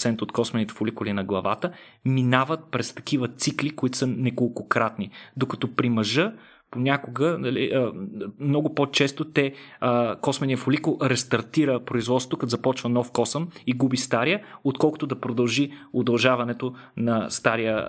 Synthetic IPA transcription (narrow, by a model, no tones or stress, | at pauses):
sɛnt̪ot̪kɔsmɛnit̪ɛ̥fʊlikʊlinɐɡlˠɐva̰t̪ə | minavət̪̚pɾɛst̪ɐ̥kivət̪siklikoit̪o̥sənɛkolˠkokɾat̪nid̪okɐt̪ɔpɾimɐʒə | ponʲakʊɡənɐlḭʔəmnɔɡʊpot͡ʃɛst̪ot̪ɛ | kɔsmɛnʲijəfʊlikʊlˠɾɛst̪ɐɾt̪iɾəpɾoizvɔd̪sot̪okzɐpɔt͡ʃvɐnɔfkɔsəmiɡubist̪aɾijəot̪̚kɔlˠkʊ̥t̪ʊd̪ɐpɾod̪ɐlˠʒiod̪ɐlˠʒavɐnɛt̪o | nɐst̪aɾijə